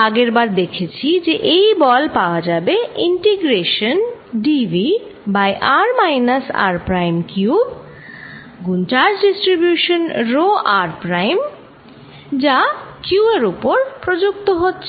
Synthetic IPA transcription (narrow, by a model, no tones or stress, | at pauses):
aɡeɾbaɾd̪ekʰet͡ɕʰid͡ʑeʔejbɔlpaoad͡ʑabeiɳʈeɡɾeʃonɖibi | bajʔaɾmajnasa̰ɾpɾajmkjub | ɡunʈaɾsɖisʈɾibjuʃonɾoʔaɾpɾajm | d͡ʑakjueɾupoɾpɾod͡ʑuk̚t̪oɦotːɕʰ